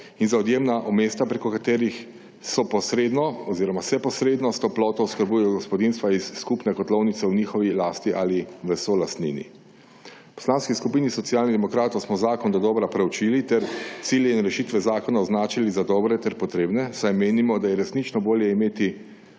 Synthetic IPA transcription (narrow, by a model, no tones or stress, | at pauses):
inzaɔd̪jeːmnaʔɔmeːst̪apɾekɔkat̪eːɾix | sɔpɔsɾeːd̪nɔɔziːɾɔmasɛpɔsɾeːd̪nɔst̪ɔplɔːt̪ɔwskəɾbujɛjɔɡɔspɔd̪inst̪ʋaisːkupnɛkɔt̪lɔwnit̪sɛwniːxɔʋilaːst̪iʔaliʋəsolast̪nḭːnḭ | pɔ̥slaːnskiskupiːnisɔt̪sijaːlnid̪ɛmɔkɾaːt̪ɔwsmɔzaːkɔnd̪ɔd̪ɔːbɾapɾɛwt͡ʃilit̪ɛɾt̪siljɛinɾɛʃiːt̪ʋɛzaːkɔnaɔznaːt͡ʃilizad̪ɔːbɾɛt̪ɛɾpɔt̪ɾeːbnɛsajmeːnimɔd̪ajɛɾɛsnit͡ʃnɔboːljɛimeːt̪i